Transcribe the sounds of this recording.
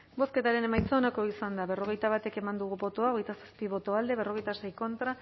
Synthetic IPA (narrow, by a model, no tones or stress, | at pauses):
bo̞ske̞t̪aɾe̞ne̞majt͡sonako̞isand̪aβe̞ro̞ɣ̞e̞jt̪aβ̞at̪e̞ke̞mand̪uɣ̞ubo̞t̪oao̞ɣejt̪asaspiβo̞t̪o̞ald̪e̞β̞e̞ro̞ɣe̞jt̪ase̞jko̞nt̪ɾa